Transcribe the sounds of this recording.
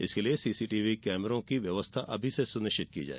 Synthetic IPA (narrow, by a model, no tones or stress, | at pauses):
ɪ̰skeliesiːsiːʈiːʋikɛːməɾõkiʋjɐʋəst̪ʰaʔɐbʱisesʊnɪʃt͡ʃɪt̪̚kḭd͡ʒa̰ːe